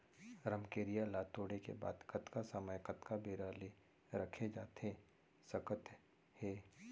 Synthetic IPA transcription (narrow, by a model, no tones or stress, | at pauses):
ɾəmkeːɾijalaːt̪oːɽekḛba̰ːd̪kɐt̪kasəməjkət̪kabeːɾaːle | ɾəkʰed͡ʒaːt̪e | sɐkət̪ | hɛː